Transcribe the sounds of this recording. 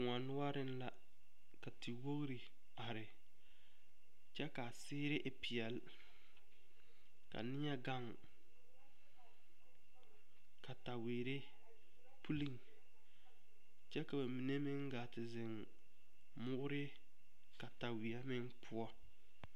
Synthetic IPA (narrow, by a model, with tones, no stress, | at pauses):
kʊ˨ŋa˨nʊ˦a˦ɾɪ˦n˦la˦ | ka˨ti˨wo˦ɣɾi˨ | a˨ɾɪ˨ | t͡ʃɛ˦ka˨sɪː˦ɾɪ˦ʔɪ˨pɪ˨ɛ˨l | ka̰˨nɪ˦ɲɛ˦ɡa˦ŋ | ka˨ta˨wiː˨ɾɪ˦ | pu˦li˦˨ŋ | t͡ʃɛ˦ka˨ba˨mi˨ne˦mɪ˦ŋɡaː˨tɪ˨zɪ˨ŋ | mʊ˦ɡʊ˦ɾɪ˦ | ka˨ta˨wi˨a˦mɪ˦ŋpʰʊ˦ɔ˦